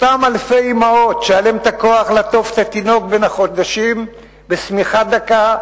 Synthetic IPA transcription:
t̪amalfejimao̞t̪ʃealemet̪ako̞aχlat̪o̞fe̥t̪at̪ino̞k̚be̞nhaχo̞d̪aʃim | besmiχad̪aka

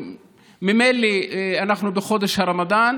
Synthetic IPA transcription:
mimelianaχnubeχo̞d̪eʃhaɾamad̪an

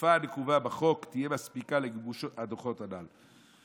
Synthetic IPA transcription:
faːnekuvabaχo̞kt̪ijemaspikaleɡbuʃadoχo̞t̪anal

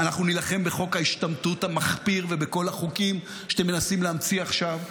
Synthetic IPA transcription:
anaχnunilaχe̞mbeχo̞khaiʃtamtuthamaχpiʁvebeko̞laχukim | ʃḁtemːenasimleamt͡siaχʃav

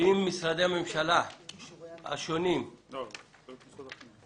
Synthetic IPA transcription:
imːisɾad̪eamemʃala | a̰ʃonim

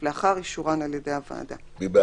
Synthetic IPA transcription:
leaχaʁiʃuʁanaljede̞java̰ːda | biba

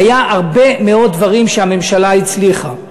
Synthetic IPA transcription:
ajaʔaʁbe̞meo̞t̚ːvaʁimʃeame̞mʃalait͡sliχa

